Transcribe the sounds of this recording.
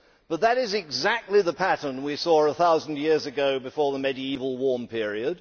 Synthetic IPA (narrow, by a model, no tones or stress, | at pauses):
b̥ʌt̪̚ðəɾɪzɪɡzæk̚tˡliðəpʰæɾə˞nwisɔɹəθaʊzn̩djɪɹzɨɡoʊbɨfɔɹðəmɛɾiivəl̩ˠwɔɹmpʰɪɹiɨd̥